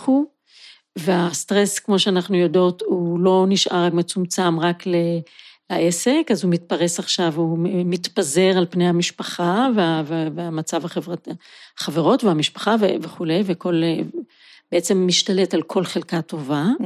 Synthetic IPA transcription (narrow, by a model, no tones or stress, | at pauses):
χu | veastʁeskmo̞ʃeanaχnujo̞do̞thulo̞niʃʔaʁakmet͡sumt͡samʁaklelaʔese̞kazumit̚paʁesaχʃavumitpaze̞ʁalpnejamiʃpaχaveaveveamat͡savaχevʁaχaveʁo̞tveamiʃpḁχaveveχule̞jveko̞l | b̥eet͡se̞mːiʃtale̞talkʰo̞lχelkato̞va